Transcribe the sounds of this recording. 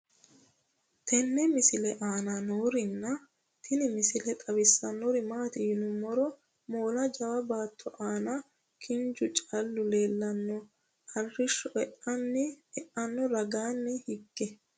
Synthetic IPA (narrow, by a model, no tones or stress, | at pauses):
t̪ʰɛnːɛmɪsɪlɛʔaːnanoːɾɪnːɐ | t̪ʰɪnɪmɪsɪlɛt̪ʼɐβɪsːɐnːɔɾɪmaːt̪ɪjɪnʊmɔɾɔ | moːlɐd͡ʒɐwɐbaːt̪ʰːɔʔaːnɐ | kʰɪnd͡ʒʊt͡ʃʼalːʊle̞ːlːɐnːɔ | hɐrːɪʃːɔʔɛʔɐnːɪɛʔɐnːɔɾɐɡaːnːɪhɪɡːɛ